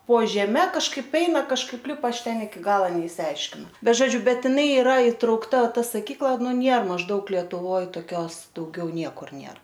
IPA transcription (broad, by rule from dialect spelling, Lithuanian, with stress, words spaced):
poː ʒʲɛˈmʲɛ kɐʃˈkɐɪp ˈɛɪnɐ kɐʃˈkɐɪp ˈlʲɪpɐ ˈɐʃ ˈtʲɛn ɪkʲɪ ˈɡɑːlˠoː nʲɛɪʃʲsʲɪˈɐɪʃʲkʲɪnɐʊ bʲɛt ʒoːˈd͡ʒʲʊ ˈbʲɛt jɪˈnɐɪ ɪˈrɐ ɪtrɐʊkˈtɐ ˈtɐ sɐˈkʲiːklˠɐ ˈnʊ ˈnʲeːr mɐʒˈdɐʊk lʲiɛtʊˈʋoːj toːˈkʲoːs dɐʊˈɡʲɛʊ ˈnʲiɛkʊr ˈnʲeːr